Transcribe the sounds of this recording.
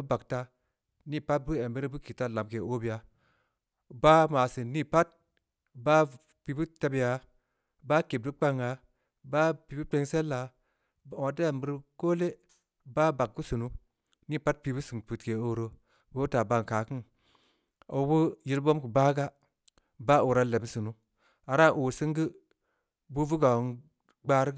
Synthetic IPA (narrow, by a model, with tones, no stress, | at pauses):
u˦ba˨kta˦ | ni˦pa˦t̚bu˦e˨mbe˦ɾe˦bu˦ki˨ta˦la˨mke˨o˦bi˨a˨ | ba˦ma˨si˨ni˦pa˦t̚ | ba˦ | pi˨bu˦ta˧bi˨ja˨ | ba˦ke˨b̚du˦k͡pa˦ŋa˨ | ba˦pi˨˦bu˦te˦˧ŋse˦lːa˨ | wa˨ta˦e˨mbə˦ɾko˦le˦ | ba˦ba˨k̚ɡu˦sɨ˨nu˦ | ni˦˨pa˦t̚pi˨bu˦sɨ˨ŋpu˨tke˨o˨ɾo˨ | bo˦ta˨ba˨ŋkaː˨kɨ˦ŋ | a̰˨˦bu˦ji˧ɾbo˦mku˨ba˦ɡa˦ | ba˦o˨ɾa˦le˨bsɨ˨nu˦ | a˨ɾa˦˨ʔo˨sɨ˦ŋɡɨ˦ | bu˦vu˦ɡa˨n | ɡ͡baː˦ɾ